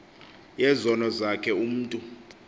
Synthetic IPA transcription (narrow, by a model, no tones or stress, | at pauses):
jɛzɔnɔzakʰɛum̩ːtʼu